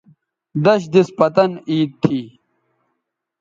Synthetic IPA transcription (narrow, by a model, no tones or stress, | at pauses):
d̪ɐɕd̪ispɐt̪ɐniːt̪̚t̪ʰːiː